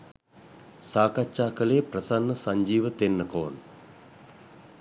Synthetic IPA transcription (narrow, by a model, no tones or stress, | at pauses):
saːkɐt͡ʃːaːkɐleːpɾɐsanːɐsɐɲd͡ʒiːʋɐt̪enːɐkoːn